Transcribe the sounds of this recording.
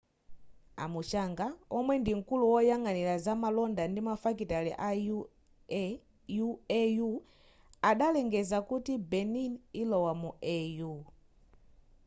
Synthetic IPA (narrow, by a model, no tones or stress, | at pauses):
a̰mut͡ʃaŋɡaɔmwɛndiŋ̩kuluwɔjaŋanilazamalɔndandimafakitaliʔa | uɛju | aɗalɛŋɡɛzakutibɛninilɔwamuɛju